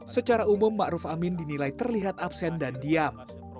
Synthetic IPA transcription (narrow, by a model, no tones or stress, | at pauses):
sət͡ʃaɾaumumːaʔɾuʊfamɪndinilait̪ərliɦat̪apsɛndandiam